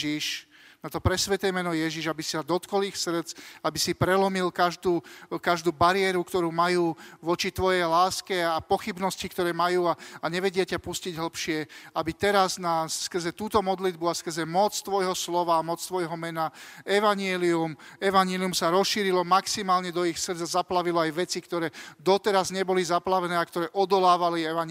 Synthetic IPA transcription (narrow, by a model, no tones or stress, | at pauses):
ʒiʃ | nat̪ɔpɾɛsʋɛt̪ɛmɛnɔjɛʒiʒabisi̥sad̪ɔt̪kɔlixsr̩t͡sabisipɾɛlɔmilkaʒd̪uːkaʒd̪uːbaɾɪɛɾukt̪ɔɾuːmajuːʋɔt͡ʃit̪ʋɔjɛjlaːskɛapɔxibnɔscikt̪ɔɾɛːmajuːaaɲɛʋɛɟɪacapusciɟɦl̩pʃɪɛabit̪ɛɾaznasskr̩zɛt̪uːt̪ɔmɔd̪lid̪buaskr̩zɛmɔt͡st̪ʋɔjɦɔslɔʋaːmɔt͡st̪ʋɔjɦɔmɛnaɛʋaɲɪɛliumɛʋaɲɪɛliumsaɾɔsʃiːɾilɔmaksimaːlɲɛd̪ɔixsr̩d͡zazaplaʋilɔajʋɛt͡sikt̪ɔɾɛːd̪ɔt̪ɛɾazɲɛbɔlizaplaʋɛnɛːakt̪ɔɾɛːʔɔd̪ɔlaːʋaliɛʋaɲ